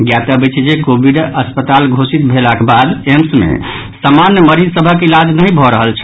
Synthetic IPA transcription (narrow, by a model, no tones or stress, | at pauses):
ɡjat̪abit͡ʃʰd͡ʒekobʱiɖəspət̪alɡʱosit̪bʱelakebad̪emsmḛ | samanjəməɾizsəbʱəkelad͡ʒnəɦĩbʱɔɾəɦəlt͡ʃʰ